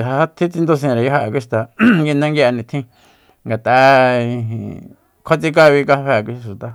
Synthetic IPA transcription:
ɦa˧˦a˦t̪ʰĩ˦t͡si˧nd̪o˧s̬ẽ˧ɾa˨ja˦ɦa˧a˨k̬ʷi˦˧ʃt̪a˨ɡi˧nã˦ŋɡi˧a˧nĩ˧t̪ʰĩ˧ | ŋɡa˨t̪a˨˧i˧ɦḭ̃˧˨ | kʰʷa˦t͡si˧k̬a˦˧βi˧ka˧βe˧˨kʷi˧ʃu˨t̪a˨

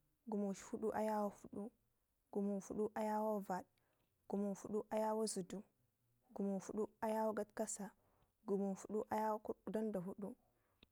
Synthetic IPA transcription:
ɡu˨mu˨ʃfu˦ɗu˦ʔa˦ja˦wo˦fu˦ɗu˦ | ɡ̥u˨mu˨fu˦ɗu˦ʔa˦ja˦wo˦va˨ɗ̚ | ɡ̥u˨mu˨fu˦ɗu˦ʔa˦ja˦wo˦zu˨du˦ | ɡu˨mu˨fu˦ɗu˦a˦ja˦wo˦ɡa˦tka˦sa˨ | ɡu˨mu˨fu˦ɗu˦ʔa˦ja˦wku˦da˦nda˨ɦu˦ɗu˦

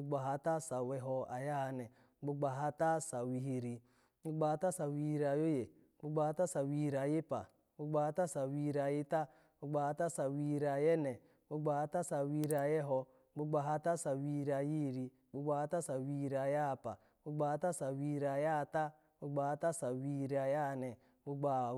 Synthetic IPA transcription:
u˦ɡ͡ba˨ɦa˦ta˦sa˨wɛ˨ɦɔ˦a̰˨ja˦a˨nɛ˨˦ | ɡ͡bu˦ɡ͡ba˨ɦa˦ta˦sa˨wi˨ɦi˨ɾi˨ | ɡ͡bu˦ɡ͡ba˨ha˨ta˦sa˨wi˨ɾa˨jo˦je˨˦ | ɡ͡bu˦ɡ͡ba˨ha˦ta˦sa˨wi˨˦˨ɾa˨ji˦pa̰˨ | bu˦ɡ͡ba˨ha˦ta˦sa˨wi˦˨ɾa˨ji˦ta˦ | bu˦ɡ͡ba˨ha˦ta˦sa˨wi˨ɾa˨jɛ˦nɛ˨ | bu˦ɡ͡ba˨ha˦ta˦sa˨wi˦ɾa˨jɛ˦ɦɔ˧ | ɡ͡bu˦ɡ͡ba˨ɦa˦ta˦sa˨wi˨˦˨ɾa˨ji˦˨ɾi˨ | ɡ͡bu˦ɡ͡ba˨ha˦ta˦sa˨wi˨˦˨ɾi˨a˨ja˦˨pa˨˦ɡ͡bu˦ɡ͡ba˨ha˦ta˦sa˨wi˨ɾi˨a˨ja˦˨ta˦ | ɡ͡bu˦ɡ͡ba˨a˦ta˦sa˨wi˨˦˨ɾi˨a˨ja˦˨nɛ˨ | bu˦ɡ͡ba˨

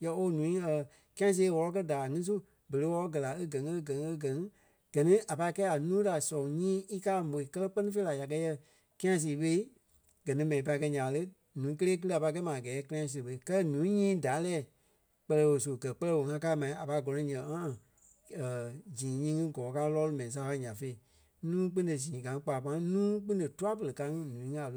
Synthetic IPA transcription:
jɛ˧˦o˧˦nũː˨˦ĩ˦ə˨ | kĩ˦ã˧˦s̬eː˧˦wɔ˧lɔ˧˦kɜ˦daː˨ŋĩ˦s̬u˦ | bə˨le˨˦wɔ˧ɔ˦ɡɜ˨la˨e˦ɡɜ̃˨ŋ˦ə˦ɡɜ̃˨ŋ˦ə˦ɡɜ˨ŋ̃˦ | ɡ̥ɜ˨nĩ˦a˨pa˧i˦kɛː˦a˨nũː˦da˨sɔ̃˨ɲĩː˦i˦kaː˦mo˨i˨kɜ˦lɛ˦k͡pɜ˦nĩ˦fe˦la˨ja˨k̬ɜ˧˦jɛ˧ | ki˦ã˧˦s̬iː˨˦ɓe˧˦i˦ | ɡ̥ɜ˨nĩ˦mɛ̃˨ĩ˨pa˧i˧kɜ˧ɲã˨˦lə˦ | nũː˨˦k̬ə˦leː˦k̬ɨ˦lɨ˦a˨pa˧˦kɛ˦mã˨a˨ɡɛː˨˦ki˦ã˧˦ĩ˧s̬u˧˨ɓə˧kɜ˦ɛ˦nũː˨˦ɲĩː˦da˨˦lɛː˦˨ | k͡pɜ˧lɛ˧wo˨s̬o˨ɡɜ˨k͡pɜ˦lɛ˦wõ˨ŋã˧˦˧ka˧˦mã˨ĩ˦a˨pa˧i˦ɡɔ˨˧ɔ̃˨˦ɲɛ̃˨˦ŋã˦˨ | ə˨d͡ʒĩː˨ɲĩː˦ŋɨ̃˦ɡɔ̃ː˨˦kaː˧˦lɔː˦lu˧mɛ̃˨ĩ˨s̬a˧˦fa˧˦ɲã˨fe˧i˨ | nũː˦k͡pɨ̃˦ndə˨s̬ĩː˨ɡã˨ŋ̃˦k͡paː˨pã˧˦nũː˦k͡pɨ̃˦n˦də˨tu˦a˦p̬ə˨lə˨ka˧˦ŋĩ˧nũ˨ĩ˦ŋ˦a˨l

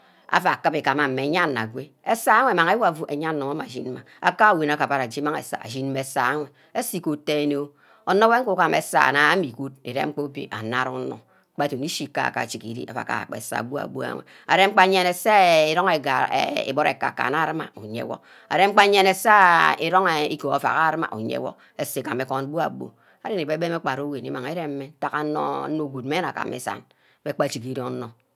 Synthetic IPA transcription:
a̰˨fa˨kɨ˦pe˨ka˨ma˨m̩˨me˨ɲa˦nːa̰˨ɡʷe˦ | e˦sa˦a˦ŋʷe˨ma˨ŋe˦wo˦a˨vu˦ʔe˨ɲa˦n˨no˨ŋa˦ma˨ʒḭ˦nma˨a̰˨ka˦˨wi˨na˨˦ka˨ba˨ɾa˨d͡ʒi˦ma˦ŋḛ˨sa̰˨a̰˨ʒi˦n˦me˨˦sa˦a˦ŋʷe˨ | e˦si˦ko˨te˦e˦no˦ | o˨no˦be˦ŋ̩˦ku˦ka˦˨mḛ˨sa̰˦˨na˨˦mi˨ku˦t̚e˨ɾḛ˦ŋ͡m̩˦k͡po˦bḛ˨ʔa˨na˦ɾu˦no̰˨˦ | k͡pa˦to˨ni˦ʃi˨ka̰˦a̰˨ka̰˨t͡ʃi˨ki˨ɾḭ˦a̰˨fa̰˨ka̰˨k͡pḛ˨sa̰˦˨bu˦a̰˨bṵ˦a̰˦ŋʷḛ˨ | a̰˨ɾe˦ŋ͡m̩˦k͡pa˦ɲe˦ne˨se˦i˨ɾo˦ŋe˨e˨ḛ˨bo˦ɾḛ˨ka˨ka̰˨na˦ɾɨ˦ma̰˨u˨ɲḛ˨˦wɔ̰˦k | a̰˨ɾe˦ŋ͡m̩˦k͡pa˦ɲe˦ne˨sa˦ḭ˨ɾo˦ŋe˨ḭ˦ko˨a˨fa̰˨ka˦ɾɨ˦ma̰˨ʔṵ˨ɲḛ˦wɔ̰˦k | e˨se˨ka˨me˨kɔ˦n˦bu˦a̰˨bo̰˨ | a˦ɾe˦ne˨be˦be˦me˦k͡pa˨ɾo˦we˨ni˦ma˨ŋe˦ɾe˦m̩˦me˦ta˦ka˨˦no̰˦no˦˨ɡʷu˨t̚me˦na˨ka̰˨mḛ˨sa̰˨n | be˦k͡pa˦˨t͡ʃi˨ki˨ɾo˦n̩˦no˨

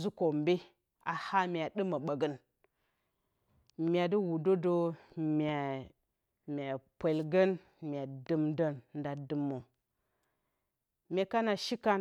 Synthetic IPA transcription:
zu˦ko˨m˦be˦ | a˨ha˦mʲ˦˨a˨də˦mə˨ɓa˨ɡə˦n | mʲ˦a˨di˦wu˨do˦do˦mʲa˨ | mʲ˨a˨pʷe˨lɡə˦n | mʲ˨a˨də˦mdə˦nnda˨dɨ˦mːo˨ | mʲe˨ka˦na˨ʃi˦ka˦n

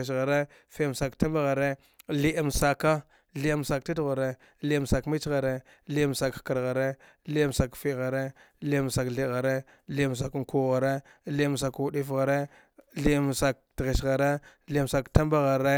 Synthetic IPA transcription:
s̬ɣa˨ɾe˦ | fe˦˨m˨sa˨kta˦mba˦ɣa˨ɾe˦ | li˦ʔm˨sa˨ka˦ | ɮi˦m˨sa˨k̚ti˦dɣa˨ɾe˦ | li˦m˨sa˨kmi˦t͡ʃɣa˨ɾe˦ | li˦m˨sa˨kka˨ɾɣa˨ɾe˦ | li˦m˨sa˨kfi˦ɣa˨ɾe˦ | li˦˨m˨sa˨kɬi˨ɣa˨ɾe˦ | li˦m˨s̬a˨kku˦˨ɣa˨ɾe˦ | li˦m˨s̬a˨ku˨ɗi˦fɣa˨ɾe˦ | ɮi˦m˨sa˨k̚tɣe˨sɣa˨ɾe˦li˦m˨sa˨kta˦mba˦ɣa˨ɾe˦

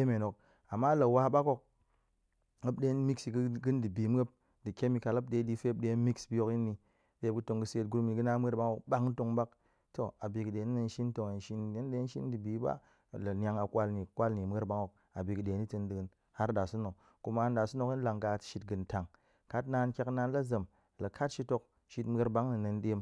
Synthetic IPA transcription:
e˦me˨no˨k̚ | a˨mːa˦la˨wa˦ɓa˦ko˦k̚ | ŋə˦p̚ɗe˦n˦mi˦ksi˨ɡɡɨ˦ndɨ˨bi˨m˦e˦p̚ | dɨ˨kʲe˦mi˨ka˨la˦p̚de˨˦di˦fe˦p̚ɗe˦mi˦ksbi˦jo˦ki˦nːi˨ | ɗe˨˦ɡɨ˦to˨ŋɡɨ˦se˨˦t̚ɡu˦ɾmi˨ɡɨ˦na˦m˦ə˦ɾba˦ŋo˨kɓa˦kto˨ŋba˦k̚ | to˨a˨bi˨kɨ˨ɗe˨ni˦nə˨n˦ʃi˦n˦to˨ŋe˨n˦ʃi˦ne˦n˦de˦ʃi˦n˦dɨ˨bi˨˦ba̰˦ | lɐ˨n˦a˧ŋa˨kʷa˧lni˨kʷa˦lni˨mʷ˨e˦ɾba˧˦ŋo˨k̚ | a̰˨bi˨kɨ˨ɗe˨ni˦tɨ˧ndɨ˨ɡɨ˧˦n | ha˦ɾda˨su˦no˨k | ku˧ma˧˦n˦da˨su˦no˧ki˦n˦la˨ŋɡa˧tʃi˧t̚ɡɨ˨nta˨ŋ | ka˦tna˧˦n˦kʲa˦kna˧nla˦zə˨m | lɐ˨kʰa˦tʃi˧to˧k̚ | ʃi˧tm˦e˧ɾba˦ŋnɨ˨nɨ˧n˦ɗe˧m

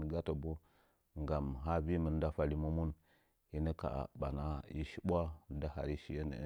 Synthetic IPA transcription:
n˨ɡa˦to˨bo˦ | ŋɡa˨mɦa˦bi˦mə˨n˦da˦fa˨li˦mu˦mu˦n | ji˦nə˦ka̰˨ɓa˨na˦ḭ˦ʃi˦bʷa˦da˦ɦa̰˨ɾi˦ʃi˦je˦nə̰˨˦

